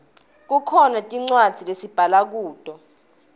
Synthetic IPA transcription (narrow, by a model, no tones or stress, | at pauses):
k̬ukʰɔnatʼiŋ͡ǀwad̥z̥ʱilesib̥ʱalak̬uːd̥ʼʱɔ